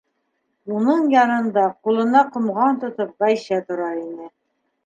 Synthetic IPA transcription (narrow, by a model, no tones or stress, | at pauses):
unɤɴjɑnɤ̆nd̪ɑqulˠɤ̆nɑqŏmʁɑnt̪ŏt̪ɤp̚bɑjɕɑt̪ŏɾɑinɘ